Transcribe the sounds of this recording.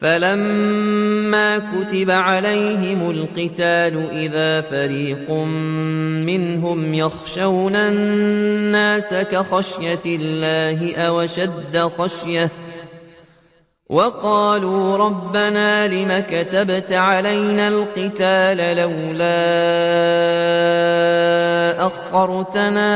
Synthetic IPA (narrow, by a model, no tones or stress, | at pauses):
falamː | aːkʊt̪ɪbaʕalajɦɪmʊlqɨt̪aːlʊʔɪðaːfaɾiːqʊmmɪnɦʊmjɑxʃawna | nːaːsakaxaʃjalːaːɦɪʔawaʃad̪ːaxaʃja | wʔɑqɑːluːɾˤɑbːanaːlɪmakat̪abt̪ʕalajnalqɨt̪aːlalawlaː | ʔaxtɑɾˤt̪anaː